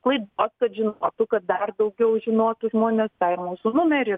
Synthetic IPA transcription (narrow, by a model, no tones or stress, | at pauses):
klˠɐɪd̪oːskɐt̪ʒʲɪnoːt̪ʊkɐt̪̚d̪ɐrd̪ɐʊɡʲɛʊʒʲɪnoːt̪ʊʒmoɔnʲeːst̪ɑɪɾmuːsʊnʊmʲɛɾʲɪ